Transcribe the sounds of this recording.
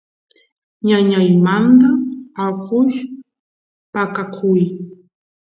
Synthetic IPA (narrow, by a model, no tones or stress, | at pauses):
ɲaɲajmand̪aakʊʃ | pakakʰʊj